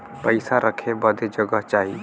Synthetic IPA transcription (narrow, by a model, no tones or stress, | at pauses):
pəɪsaɾəkʰebɐd̪ʱed͡ʒɐɡəɦt͡ʃaːɦi